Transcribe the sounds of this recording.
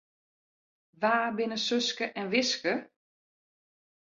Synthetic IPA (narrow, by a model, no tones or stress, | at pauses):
ʋaːbɪnəsøskəʔɛnʋɪskə